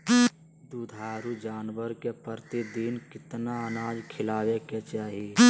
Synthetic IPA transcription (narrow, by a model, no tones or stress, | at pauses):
d̪uːd̪ʱaːɾud͡ʒaːnwəɾkepəɾt̪id̪iːnkɪt̪naənaːd͡ʒkʰɪlaːweket͡ʃaːɦe